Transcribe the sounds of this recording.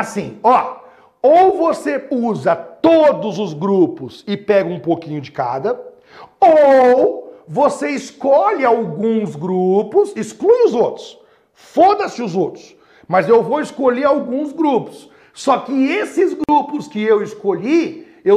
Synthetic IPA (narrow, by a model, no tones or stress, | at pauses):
asĩɔ | owvoseuzɐt̪od̪ʊzʊzɡɾupʊsɪpɛɡɐũpokĩɲʊd͡ʒɪka̰d̪ɐ | o | voseɪskɔʎɪawɡũzɡɾupʊsɪskluj̃ʊzowt̪ɾʊs | fod̪ɐsɪʊzowt̪ɾʊs | mɐzewvowɪskoʎeɾawɡũzɡɾupʊ̥sː | ɔkɪesɪzɡɾupʊskɪewɪskoʎi | ew